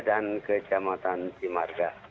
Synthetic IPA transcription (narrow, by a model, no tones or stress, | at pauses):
dankəd͡ʒamat̪ant͡ʃimaɾɡa